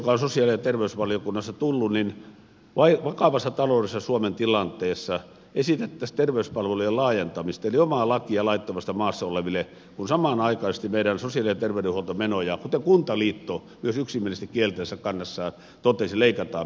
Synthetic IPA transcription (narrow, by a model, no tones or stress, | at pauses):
kɑonsosiɑlisɑt̪erʋeysʋɑljokunːɑsːɑt̪ulːunin | ʋɑiʋɑkɑʋɑsːɑt̪ɑloˑdesːɑsuoment̪ilɑnt̪eːsːɑ | esit̪et̪ːæst̪erʋeyspɑlʋelujelɑːjent̪ɑmist̪eliomɑˑlɑkiɑlɑit̪ːomɑst̪ːɑmɑːsːɑoleʋilːe | kunsɑmɑˑnɑikɑisest̪imeiɾænsosiɑlisɑt̪erʋeyɾehuolt̪omenojɑkut̪ekunt̪ɑliːt̪ːo | myøsyksimːielist̪ækielt̪æːsːækɑnːɑsːɑː | t̪ot̪esileikɑt̪ɑ̰ː